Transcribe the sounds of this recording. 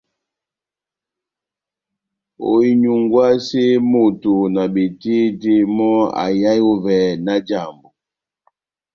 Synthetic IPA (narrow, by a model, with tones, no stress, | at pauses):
o̰˨i˦ɲu˨ŋɡwa˦se˦mo˨tu˨na˨be˨ti˦te˦mɔ˦a̰˨ja˦jo˦vɛ˨na˦d͡ʒa˦˨mbo˨